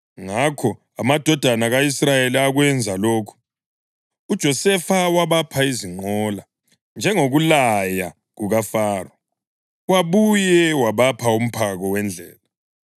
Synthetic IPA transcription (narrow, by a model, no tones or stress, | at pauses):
ŋakʰɔ | amad̥ʱɔd̥ʱanaɣaisrajeliaɣwɛnd͡zʱaloːkʰu̥ | ud̥ʒ̥ʱɔsɛfawaβapʰaiziŋ͡ǃɔla | nd͡ʒʱɛŋoɣulaja | ɣuɣafaːrɔ | waβujɛwaβapʰaum̩pʰaɣɔwɛnd͡ɮʱɛ̰ːla